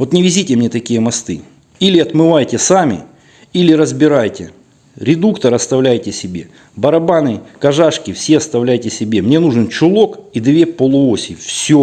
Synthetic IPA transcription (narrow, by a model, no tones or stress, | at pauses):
vo̞t̪nʲɪvʲɪzʲitʲɪmnʲet̪ɐkʲijəmɐst̪ɨ̰ | ilʲɪɐt̪mɨvajtʲɪsamʲɪ̰ | ilʲɪɾəzbʲɪɾajtʲɪ | ɾʲɪd̪ukt̪əɾɐst̪ɐvlʲæjtʲɪsʲɪbʲe̞ | bɐɾɐbanɨkɐʐaʂkʲɪfsʲe̞ɐst̪ɐvlʲæjtʲɪsʲɪbʲe̞mnʲenuʐɨnt͡ɕʊlˠo̞kid̪vʲe̞pəlˠʊosʲɪjfsʲo